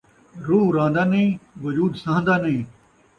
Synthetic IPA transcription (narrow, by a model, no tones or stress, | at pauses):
ɾuːɾãːnd̪aːnẽːʋɐd͡ʒuːd̪sãːnd̪aːnẽː